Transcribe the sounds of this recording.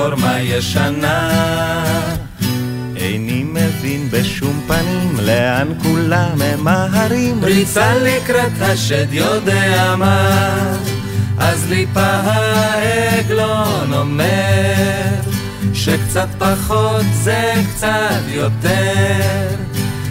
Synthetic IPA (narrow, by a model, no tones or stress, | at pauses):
oɾmajeʃana | ejnimevinbeʃumpanimleankulamemaɦaɾimbɾit͡salikɾat̪aʃɛd̪jod̪eama | ʔazlipaɦaeɡlonome | ɾ | ʃekt͡sat̪̚paχot̪zekt͡sat̪jot̪e | ʁ